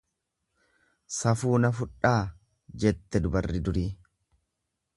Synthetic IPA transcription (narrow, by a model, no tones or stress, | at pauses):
sɐfuːnɐfʊᶑaː | d͡ʒɛt̪ːɛd̪ʊbɐrːɪd̪ʊɾiː